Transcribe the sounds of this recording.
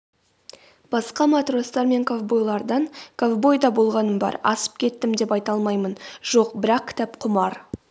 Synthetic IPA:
b̥ɑsqɑmat̪ro̞st̪ɑɾme̞ŋkʰovbo̞jlˠɑɾd̪ɑɴkʰovbo̞jd̪ɑbo̞lˠʁɑnəmbɑ̰ɾɑ̰sə̥p̚kʲʰe̞t̪ːɪmd̪e̞pɑjt̪ɑlˠmɑjmənʒ̥o̞qbɪɾɑq̚kʲʰɪ̥t̪æpqʰʊmɑɾ

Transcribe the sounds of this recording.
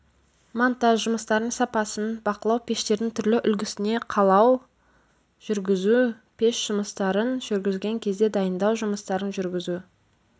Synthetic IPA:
mant̪aʃʒʊməst̪ɑɾənsɑpɑsənbɑqəlˠɑwpʰʲe̞ʃt̪e̞ɾd̪ɪŋt̪ʰʏɾlɪʔʏlɡʲɪsɪne̞qʰɑlˠɑw | ʒ̥ʏɾɡʲɪzu | pʰe̞ʃʒ̥ʊməst̪ɑɾənʒʏɾɡʲɪzɡʲe̞ŋkʲʰe̞zd̪e̞d̪ɑjənd̪ɑwʒʊməst̪ɑɾənʒʏɾɡʲɪzu

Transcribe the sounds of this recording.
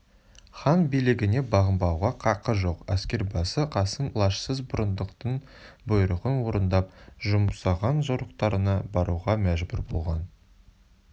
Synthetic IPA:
χɑnbijlɪɡʲɪne̞bɑʁəmbɑwʁɑqʰɑqəʒo̞qæskʲe̞ɾbɑsəqʰɑsənlˠɑʃsəzbʊɾənd̪əqt̪əɴ | bʊjɾəʁənwo̞ɾənd̪ɑp̚ʒʊmsɑʁɑnʒoɾəqt̪ɑɾənɑbɑɾuʁɑmæʒbʊɾbo̞̰lˠʁɑ̰n

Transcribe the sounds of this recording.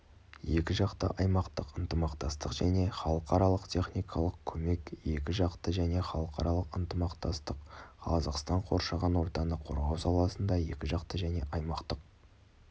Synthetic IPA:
je̞kʲɪʒɑqt̪ə̰ʔɑjmɑqt̪əqənt̪əmɑqt̪ɑst̪əqʒ̥æne̞χɑlˠəqɑɾɑlˠəqt̪ʲʰe̞χnijkʰɑlˠəqkʲʰɵme̞kje̞kʲɪʒɑqt̪əʒæne̞χɑlˠəqɑɾɑlˠəqənt̪əmɑqt̪ɑst̪əqqʰɑzɑqst̪ɑɴqʰo̞̰ɾʃɑʁɑnwo̞ɾt̪ɑnəqʰo̞̰ɾʁɑwsɑlˠɑsənd̪ɑje̞kʲɪʒɑqt̪əʒæne̞ʔɑjmɑqt̪əq̚

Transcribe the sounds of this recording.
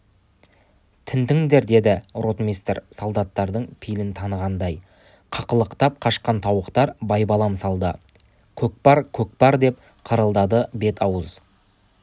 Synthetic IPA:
t̪ʰɪnt̪ɪŋd̪e̞ɾd̪e̞d̪ɪro̞t̪mijst̪ɾsolˠd̪ɑt̪ːɑɾd̪əɴpʰijlɪnt̪ʰɑnəʁɑnd̪ɑj | qʰɑqəlˠəqt̪ɑp̚qʰɑʃqɑnt̪ʰɑwəqt̪ɑɾbɑjbɑlˠɑmsɑlˠd̪ə | kʲʰɵk̚pɑɾkʲʰɵk̚pɑɾd̪e̞p̚ | qʰəɾəlˠd̪ɑd̪əbe̞t̪ʰɑwəz

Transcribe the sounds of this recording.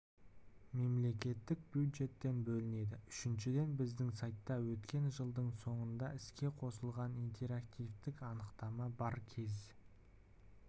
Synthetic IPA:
me̞mle̞kʲe̞t̪ːɪk̚bjud̪ʒe̞t̪ːe̞nbɵlɪne̞d̪ɪʏʃɪnʃɪd̪e̞nbɪzd̪ɪŋsajt̪ːɑwɵt̪kʲe̞nʒəlˠd̪əɴso̞ɴənd̪ɑɪskʲe̞qʰo̞səlˠʁɑnint̪ʰe̞ɾakt̪ijvt̪ɪkɑnəqt̪ɑmɑbɑɾkʲʰe̞z

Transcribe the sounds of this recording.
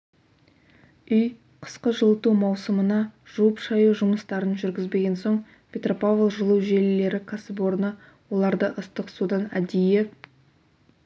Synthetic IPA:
ʏj | qʰə̥sqəʒəlˠət̪umɑwsəmənɑʒ̥uwəpʃɑjuʒʊməst̪ɑɾənʒʏɾɡʲɪzbe̞ɡʲe̞nso̞ɴ | pʲʰe̞t̪ropavlˠʒəlˠəwʒe̞lːe̞ɾɪkʰasəpo̞ɾnə | wo̞lˠɑɾd̪əʔəst̪əqsud̪ɑnæd̪eje

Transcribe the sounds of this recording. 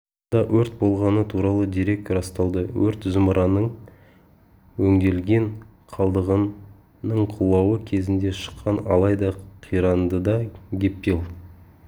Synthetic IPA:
d̪ɑwʔɵɾt̪̚bo̞lˠʁɑnət̪ʰuɾɑlˠəd̪ijɾe̞k̚kʲɾɑst̪ɑlˠd̪əwɵɾt̪zəməɾʔɑnəɴ | wɵŋd̪e̞lɡʲe̞ŋ | qʰɑlˠd̪əʁən | nəɴqʰulˠɑwəkʲʰe̞zɪnd̪e̞ʃə̥qːɑnɑ̰lˠɑjd̪ɑqʰijɾɑnd̪əd̪ɑɡʲe̞pːelˠ

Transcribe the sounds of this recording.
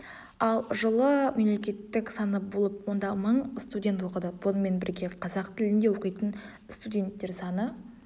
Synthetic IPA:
ɑlˠʒəlˠəme̞mle̞kʲe̞t̪ːɪksɑnəbolˠəp̚wo̞nd̪ɑməɴst̪udʲe̞nt̪wo̞qəd̪əbonəme̞nbɪɾɡʲe̞qʰɑzɑqt̪ʰɪlɪnd̪e̞wo̞qijt̪ən | st̪udʲe̞nt̪ːe̞ɾsɑnə

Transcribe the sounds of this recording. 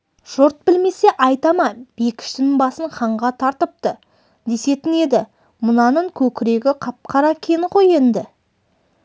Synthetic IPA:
ʒ̥ʊɾt̪̚bɪlme̞se̞ʔɑjt̪ɑmɑb̥e̞kʲʰɪ̥ʃt̪ɪnɪbɑsəɴχɑɴʁɑt̪ʰɑɾt̪əp̚t̪ə | d̪e̞se̞t̪ɪne̞d̪ɪ | mʊnɑnəɴkʲʰɵkʲɪɾe̞ɡʲɪqʰɑp̚qʰɑɾɑkʲʰe̞nqo̞je̞nd̪ɪ

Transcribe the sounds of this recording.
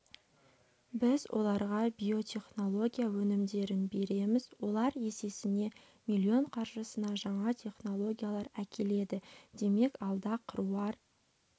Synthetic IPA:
bɪzwʔo̞̰lˠɑɾʁɑbʲijo̞t̪ʲʰe̞χno̞lˠo̞ɡʲijawɵnɪmd̪e̞ɾɪnbe̞ɾe̞mɪzwo̞lˠɑɾje̞se̞sɪne̞ | milʲːio̞ɴqʰɑɾʒəsənɑʒɑɴɑt̪ʲʰe̞χno̞lˠo̞ɡʲijalˠɑɾækʲʰe̞le̞d̪ɪd̪̥e̞me̞kɑlˠd̪ɑqʰəɾuɑɾ

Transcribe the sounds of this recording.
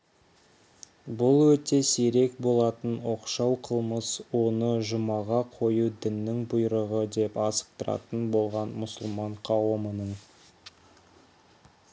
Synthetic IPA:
bʊlˠwɵt̪e̞seɾe̞kbo̞lˠɑt̪ənwo̞qʃɑwqʰəlˠməswo̞nəʒʊmɑʁɑqʰo̞jud̪ɪnːɪŋbʊjɾəʁəd̪e̞pɑsə̥q̚t̪əɾɑ̰t̪ənbo̞lˠʁɑnmʊsəlˠmɑɴqʰɑwəmənəɴ

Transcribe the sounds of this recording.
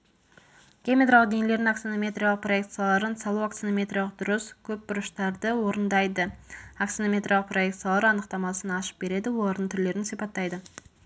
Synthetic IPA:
ɡʲemʲet̪ɾalˠəqd̪e̞ŋele̞ɾd̪ɪŋaksinomʲe̞t̪ɾʲijalˠəqpro̞jek̚t̪sijalˠɑɾənsɑlˠuakt̪sinomʲe̞t̪ɾʲijalˠəq̚d̪ʊɾəskʲʰɵp̚bʊɾəʃt̪ɑɾd̪əwo̞ɾənd̪ɑjd̪əaksinomʲe̞t̪ɾrijalˠəqproje̞k̚t̪sijalˠɑɾɑnəqt̪ɑmɑsənɑʃə̥p̚be̞ɾe̞d̪ɪwo̞lˠɑɾəɴt̪ʰʏɾle̞ɾɪnsijpɑt̪ːɑjd̪ə

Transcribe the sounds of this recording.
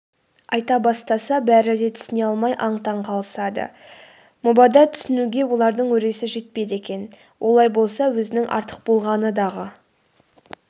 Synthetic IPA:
ɑjt̪ɑbɑst̪ɑsɑbæɾɪd̪e̞t̪ʰʏ̥sɪne̞ɑlˠmɑjʔɑɴt̪ɑɴqʰɑlˠəsɑd̪ə̰ | mʊbɑd̪ɑt̪ʰʏ̥sɪnuɡʲe̞wo̞lˠɑɾd̪əɴwɵɾe̞sɪʒe̞t̪̚pe̞d̪e̞kʲe̞n | wʔo̞lˠɑjbo̞lˠsɑwɵzɪnɪŋʔɑ̰ɾt̪ə̥q̚bo̞lˠʁɑnəd̪ɑʁə

